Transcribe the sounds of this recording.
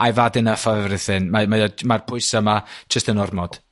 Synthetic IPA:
ajvadɪnəfavɛvɾɪθɪnmamadmarpʰʊɨsamad͡ʒ̥əstənɔrmɔd̥

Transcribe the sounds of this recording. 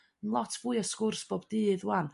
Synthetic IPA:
ənlˠɔtʰv̥uɨəskʊrsb̥oːbdɨːðwan

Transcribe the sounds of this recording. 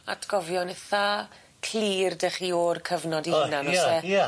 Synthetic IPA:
a̰tʰɡ̥ɔvjɔnɛθa | kʰliːrdəχioːrkʰəvnɔdinanɔsɛ

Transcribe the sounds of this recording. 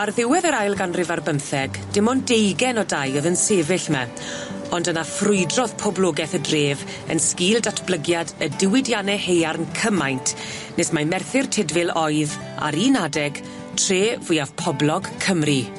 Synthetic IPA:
arðɪwɛðəɾajlˠɡanrɪvarbənθɛɡd̥ɪmɔndejɡɛnɔdajɔðənseːvɪɬmɛ | ɔndənafrʊɨdrɔðpʰɔblˠɔːɡɛθədreːv | ə̰nskiːlˠdatʰb̥lˠəɡjadədɪwɪdjanɛhejarnkʰəmajntʰ | nesmamɛrθɪrtʰɪdvɪlˠɔɨð | a̰ɾinadɛɡ̥ | tʰreːvʊjav̥pʰɔblˠɔɡ̥kʰəmri

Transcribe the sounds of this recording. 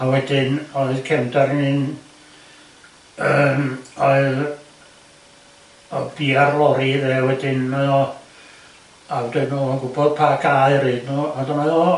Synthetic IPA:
awɛdɪnɔɨðkʰɛmdarnɨn | əmɔɨð | ɔb̥iːarlˠɔɾiðɛːwɛdɪn | awdɛnuːɔnɡʊbɔð̥pʰaɡaɨriːdnuːadɔnɔɨðɔ

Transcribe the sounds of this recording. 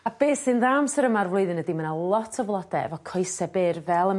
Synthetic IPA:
ab̥eːsɪnðamsəɾəmarvlˠʊɨðɪnədimənalˠɔtʰɔvlˠɔdɛɛ̰vɔkʰɔjsɛbɪrvɛlˠə

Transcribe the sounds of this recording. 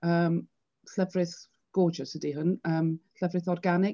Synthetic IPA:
əːm | ɬəvrɪθ | ɡ̥oːd͡ʒəsədiɦʊnəːmɬəvrɪθɔrɡanɪ

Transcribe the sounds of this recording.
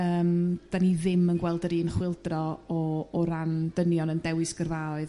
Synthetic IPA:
əːmd̥aniðɪmənɡwɛlˠdəɾiːnχwɪlˠdrɔɔːɾand̥ənjɔnəndɛwɨsɡ̥ərvaːɔɨð

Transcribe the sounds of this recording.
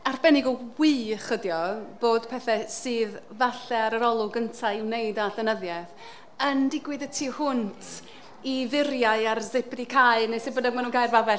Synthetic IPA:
arbɛnɪɡɔwiːχədjɔb̥oːd̥pʰɛθɛsɨːðvaɬɛaɾəɾɔlˠʊɡəntʰaɪwnejdadɛnəðjɛθ | əndɪɡwɨðətʰihʊntʰ | ivɪɾjaɨarzɪpdikʰaɨnejsɪbənɛmanuːnkʰajrvabɛ

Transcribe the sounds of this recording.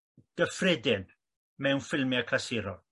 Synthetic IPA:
ɡ̥əfrɛdɪn | mɛwnfɪlˠmjakʰasɪɾɔ

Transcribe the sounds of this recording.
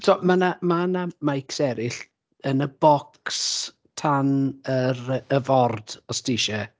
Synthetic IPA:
tʰɔmanamanamajksɛɾɪɬ | ənəbɔks | tʰanəɾəəvɔrd̥ɔstiʃə

